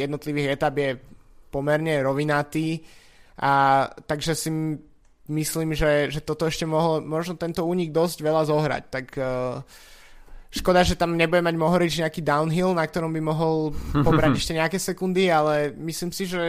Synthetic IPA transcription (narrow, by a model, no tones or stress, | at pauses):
jɛd̪nɔt̪liʋiːɣɛt̪abjɛ | pɔmɛɾɲɛɾɔʋinat̪iː | ʔat̪aɡʒɛsi | misliːmʒɛʒɛt̪ɔt̪ɔɛʃcɛmɔɦɔlmɔʒnɔt̪ɛnt̪ɔuːɲiɡ̚d̪ɔzɟʋɛlazɔɦɾa̰ct̪akː | ʃkɔd̪aʒɛt̪amɲɛbuɟɛmaɟmɔɦɔɾid͡ʒɲɛakiːd̪aʊnɦilnak̚t̪ɔɾɔmbimɔɦɔlpɔbɾaɟɛʃcɛɲɛakɛːsɛkund̪ialɛmisliːmsiʒɛ